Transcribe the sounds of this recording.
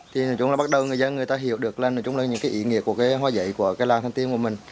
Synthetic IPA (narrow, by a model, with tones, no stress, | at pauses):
t̪ʰi˨˩nɨ˨˩t͡ɕʊ˧˦ŋ͡maː˨˩ɓa˦˥t̚ɗə˨˩wŋɨ˨˩əjzə˧nŋɨ˨˩əjt̪aː˧ɦi˧˩əwɗɨ˨˩ək̚lə˧˩nɨ˨˩t͡ɕʊ˨˦ŋ͡mlːa˨˩ɲɨ̰˧˥ŋkaː˨˦ʔḭ˧˩ŋḭ˧˩əku˧˩kaː˨˦ɦaː˧˦zə̰˧˨jku˧˩əkaː˨˦jlaː˨˩nt̪ʰa˧ŋt̪i˧ənku˧˩əmï˨˩ŋ̟